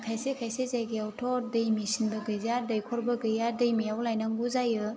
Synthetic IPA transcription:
kʰajsekʰajsezaɡiawtʰɔɾdɯjmisinbɯɡɯjzadɯjkʰɔɾbɯɡɯjadɯjmijawlajnaŋɡuzajɯ

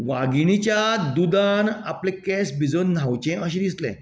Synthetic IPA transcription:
ʋaɡinit͡ɕjad̪ud̪anaplẽkɛsbid͡zon̤ːawt͡ɕɛ̃ʔəɕ̬ẽd̪islɛ̰̃

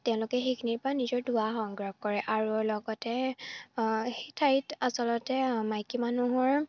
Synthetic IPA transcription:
tɛʊ̃lʊkɛxekʰiniɹpɔɹanizɔɹduwaxɔŋɡɹɔɡ̚kɔɹɛʔaɹulɔɡɔtɛ | xejtʰaɹitasɔlɔtɛmajkimanuɦɔɹ

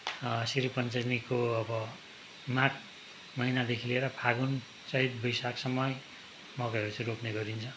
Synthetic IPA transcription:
siɾipʌnt͡sʌnikoʌbʌ | maʈ̚ʰ | mʌinad̪ekʰileɾʌpʰaɡun | sʌɦit̪̚bʌjsaksʌmʌj | mʌɡʌʌɾut͡sʌ̃ɾokneɡʌɾint͡sʰʌ

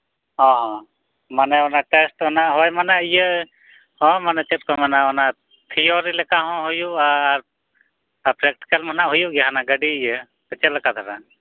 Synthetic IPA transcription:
ɦɔ̃ɦɔ̃ | manɛɔnaʈɛsʈɔnaʔɦɔjmanaijə | hɔ̃manɛt͡ʃɛt̪̚kɔmanaɔna | t̪ʰiɔɾilɛkaɦɔ̃ɦujuaɾ | pɾɛk̚ʈi̥kəlmanaʔɦujuɡɛɦanaɡəɖiijə | bət͡ʃɛləkat̪ʰaɾa

